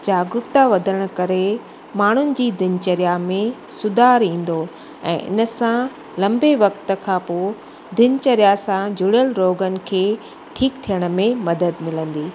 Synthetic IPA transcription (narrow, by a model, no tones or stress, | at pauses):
d͡ʑaːɡʊkt̪aʋɐd̪ʱəɾəɽ̃̆kɐɾe | maːɳ̤ʊnɪ̆d͡ʑiːd̪ɪnt͡ɕəɾjamẽsʊd̪ʱaːɾĩːn̆d̪o | ɛ̰̃ːʔɪ̰nəsã | lɐ̃mbeʋɐkt̪kʰãpoː | d̪ɪnt͡ɕəɾjasãd͡ʑʱʊɽjəlɾoːɡənɪ̆kʰeː | ʈʰiːkt̪ʰijəɽ̃̆mẽmɐd̪əd̪mɪlə̃nd̪iː